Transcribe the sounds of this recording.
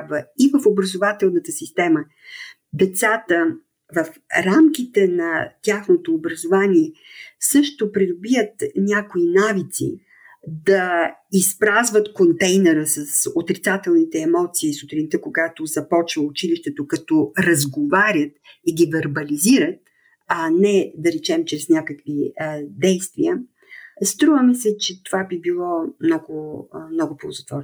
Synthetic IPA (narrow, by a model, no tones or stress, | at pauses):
bvəivəfobɾɐzovat̪ɛlˠnət̪əsist̪ɛmə | d̪ɛt̪sat̪ə | vəfɾamk̟it̪ɛnɐt̪ʲaxnot̪oːbɾɐzovanʲiɛsɤʃt̪opɾid̪ʊbijət̪nʲakoinavit̪sḭ | d̪ɐispɾazvət̪kont̪ɛjnɛɾəsɐsot̪ɾit̪sat̪ɛlˠnit̪ɛːmɔt̪siːsʊt̪ɾint̪əkoɡat̪ozɐpɔt͡ʃvəʊt͡ʃiliʃt̪ɛt̪okɐt̪ɔɾɐzɡovaɾʲət̪iɡʲivɛɾbɐliziɾət̪̚ | anɛd̪ɐɾɛt͡ʃɛmt͡ʃɾɛsnʲakəkvid̪ɛjst̪viə | st̪ɾuvəmisɛt͡ʃɛt̪ovabibilˠɔmnɔɡʊmnɔɡʊpolˠzɐt̪vɔɾ